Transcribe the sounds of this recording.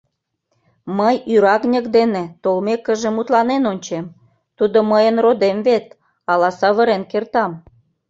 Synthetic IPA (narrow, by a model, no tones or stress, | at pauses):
məjyɾɑɣnʲəkd̪enet̪olmekːəʒĕmut̪lɑnenonʲt͡ɕem | t̪ud̪oməjənrod̪emvet̪̚ | ɑlɑsɑβəɾenkert̪ɑm